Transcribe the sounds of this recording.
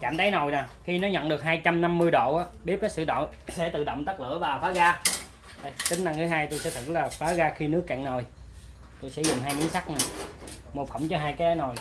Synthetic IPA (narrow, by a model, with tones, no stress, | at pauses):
t͡ɕaː˧˨mt̪ʰə˨˦jno˨˩jnaː˨˩xi˧nɔ˨˦ɲə̰˧˨nɗɨ˨˩ək̚haː˧jt͡ɕa˧mna˧mːɨ˧jɗo̰˧˨ʔaː˨˦˥ɓi˦˥əp̚kːaː˦˥k̚sɨ̰˧˨ɗo̰˧˨sḛ˧˥t̪ɨ̰˧˨ɗə̰˧˨wŋ͡mt̪ə˦˥k̚lɨ̰˧˥əvaː˨˩faː˨˦ɣaː˧ | ɗa˧˩jt͡ɕ̪ï˨˦ŋ̟na˧ŋt̪ʰɨː˨˦jɦaː˧jt̪o˧jsɛ̰˧˥t̪ʰɨ̰˧˩k̚laː˨˩faː˨˦ɣaː˧xi˧nɨ˦˥əkːɛ̰˧˨ŋno˨˩j | t̪o˧jsɛ̰˧˥zʊ˨˩ŋ͡mɦaː˧jɲɨ̰˧˥ŋsa˦˥k̚naː˨˩mo˨˩fə˧˩wŋ͡mt͡ɕɔ˧ɦaː˧jkaː˨˦jəː˨˦no˨˩j